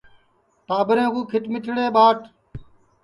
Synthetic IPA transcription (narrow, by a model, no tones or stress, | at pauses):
t̪aːbəɾẽːkuːkʰɪʈmɪʈɽeːɓaːʈ